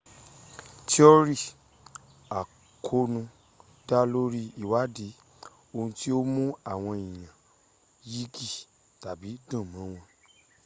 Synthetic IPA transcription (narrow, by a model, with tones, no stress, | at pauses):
ti˦o˦ɾi˦˨ | a˨ | kʰo˧nũ˧ | d̥a˦lo˦ɾi˦i˦˨wa˨˦di˨˦ | o˧hũ˧ti˦o˦mũ˦a˦˨w̃ɔ̃˧ĩ˨j̃ã˨ | ji˦ɡi˦˨ | ta˨bi˨˦dũ˦˨mã˨˦w̃ɔ̃˧